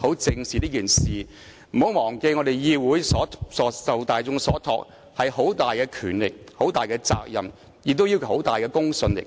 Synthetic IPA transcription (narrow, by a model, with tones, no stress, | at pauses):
ho˨˥wt͡sɪ˧ŋsiː˨˩niː˥kiː˨˩nsiː˨ | m̩˨˩ho˨˥wmɔː˨˩ŋke˧ŋɔ˨˧d̪e˨˩jjiː˧wuː˨˥jsɔː˨˥sɔː˨˥sɐ˨wt̪aː˨˧jt͡sʊ˧ŋsɔː˨˥t̪ʰɔ̰ː˧k̚ | hɐ˨jho˨˥wt̪aː˨jkɛː˧kʰyː˨˩nlɪ˨k̚ | ho˨˥wt̪aː˨˩jkɛː˧t͡sa̰ː˧k̚jɐ̰˨m | jɪ˨k̚t̪̬ːwji˥wkʰho˨˥wt̪aː˨˩jkɛː˧kʊ˥ŋsɵ˧nlɪ̰˨k̚